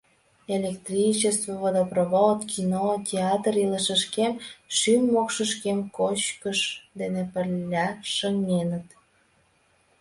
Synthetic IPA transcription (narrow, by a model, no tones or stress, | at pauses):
elʲekt̪rʲit͡ɕest̪voβəd̪əproβot̪kʰinotʲeɑt̪riləʃə̆ʃkemʃymːokʃəʃkemkot͡ɕkəʃd̪enepərlʲːɑʃəŋnenət̪